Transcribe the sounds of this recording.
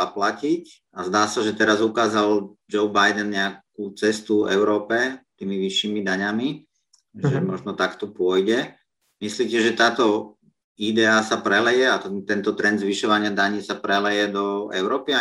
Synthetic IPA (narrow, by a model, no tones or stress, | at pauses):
aplacic | azd̪aːsaʒɛt̪ɛɾazukaːzald͡ʒɔʊbajd̪ɛnɲɛak̚uːt͡sɛst̪uɛ̰ʊɾɔːpɛt̪iːmiʋiʃːiːmid̪aɲami | ʒɛmɔʒnɔt̪akt̪ɔpʊɔjɟɛ | misliːcɛʒɛt̪aːt̪ɔ | id̪ɛasapɾɛlɛjɛat̪ɛt̪ɛnt̪ɔt̪ɾɛnd̪zʋiʃɔʋaɲɪad̪aɲiːsapɾɛlɛjɛd̪ɔɛ̰ʊɾɔːpia